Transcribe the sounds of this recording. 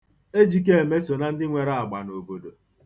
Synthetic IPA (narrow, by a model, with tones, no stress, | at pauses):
e˦d͡ʒi˨ke˦e˨me˦so˨na˨n̩˦dɪ˦ŋʷe˨ɾa˦a˨ɡ͡ba̰˨no˨bo˨do˨